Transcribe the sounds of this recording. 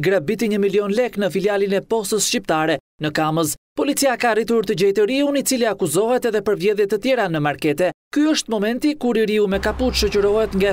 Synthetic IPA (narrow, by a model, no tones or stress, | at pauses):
ɡɾabit̪iɲəmiliɔnlɛknəfiljalinɛpɔst̪əsʃcipt̪aɾɛ | nəkaməzpɔlit͡siakarit̪uɾt̪əd͡ʑɛjt̪əɾiunit͡siliakuzɔɦɛt̪ɛðɛpəɾvjɛðjɛt̪ət̪jɛɾanəmaɾkɛt̪ɛkyəʃt̪mɔmɛnt̪ikuɾiɾiumɛkaput̪ʃɔt͡ɕəɾɔɦɛt̪ŋɡa